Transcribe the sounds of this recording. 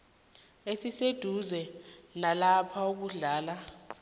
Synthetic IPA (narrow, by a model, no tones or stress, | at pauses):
esised̥ʱuzɛnalapʰauk̬uɮaːla